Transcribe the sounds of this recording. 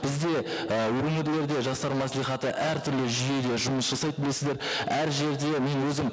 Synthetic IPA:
b̥ɪzd̪e̞əwɵŋɪɾle̞ɾd̪e̞ʒɑst̪ɑɾmɑslˠijχɑt̪əʔæɾt̪ʰʏɾlɪʒʏje̞d̪e̞ʒʊməsʒ̥ɑsɑjd̪əbɪle̞sɪzd̪eɾæɾʒe̞ɾd̪e̞me̞nwɵzɪm

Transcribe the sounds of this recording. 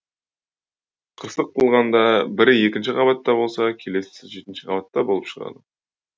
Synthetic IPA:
qʰəɾsəq̚t̪ʰəlˠʁɑnd̪ɑbɪɾje̞kʲɪnʃɪqʰɑβɑt̪ːɑbo̞lˠsɑkʲʰe̞le̞sɪ̥ɪʒe̞t̪ɪnʃɪqʰɑbɑt̪ːɑbo̞lˠəpʃə̥ʁɑ̰d̪ə

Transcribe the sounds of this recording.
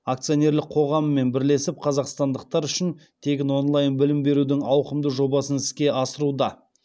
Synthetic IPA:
ak̚t̪sɨjo̞ne̞ɾlɪkq̚qʰo̞ʁɑmːe̞nbɪɾle̞sɪp̚qʰɑzɑqst̪ɑnd̪əq̚t̪ɑɾʏʃɪnt̪ʰe̞kʲɪno̞nlˠɑjənbɪlɪmbe̞ɾud̪ɪŋɑwqəmd̪əʒo̞bɑsənɪskʲe̞ʔɑsəɾud̪ɑ

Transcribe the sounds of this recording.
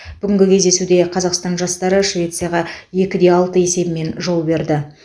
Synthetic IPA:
b̥ʏɡʲɪŋɡʲɪkʲʰe̞zd̪e̞sud̪e̞qʰɑzɑqst̪ɑnʒɑst̪ɑɾəʃvʲe̞t̪sɨjaʁɑje̞kʲɪd̪e̞ɑlˠt̪əe̞se̞bɪme̞nʒo̞lˠbe̞ɾd̪ɪ

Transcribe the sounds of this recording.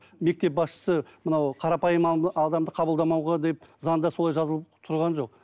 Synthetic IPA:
me̞k̚t̪e̞p̚bɑsʃə̥səmənɑwqʰɑɾɑpɑjəmɑd̪ɑmd̪əqʰɑbəlˠd̪ɑmɑwʁɑd̪e̞pzɑnd̪ɑsolˠɑjʒɑzəlˠəpt̪ʰʊɾʁɑnʒo̞q̚

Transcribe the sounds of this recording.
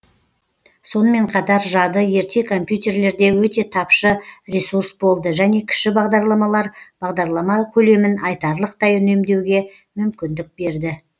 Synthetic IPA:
so̞nəme̞ɴqʰɑt̪ɑɾʒɑd̪əje̞ɾt̪ʰe̞kʰo̞mpjut̪e̞ɾle̞ɾd̪e̞wɵt̪e̞t̪ʰɑpʃəɾesuɾsbo̞lˠd̪əʒæne̞kʲʰɪ̥ʃɪbɑʁd̪ɑɾlˠɑmɑlˠɑɾb̥ɑʁd̪ɑɾlˠɑmɑkʲʰɵle̞mɪnɑjt̪ɑɾlˠəq̚t̪ɑjʏne̞md̪e̞wɡʲe̞ | mʏmkʲɪnd̪ɪk̚be̞ɾd̪ɪ

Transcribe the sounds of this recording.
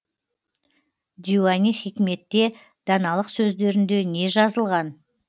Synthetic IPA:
d̪ʲiwaniχikʲme̞t̪ːe̞ | d̪̥ɑnɑlˠəqsɵzd̪e̞ɾɪnd̪e̞ne̞ʒɑzəlˠʁɑn

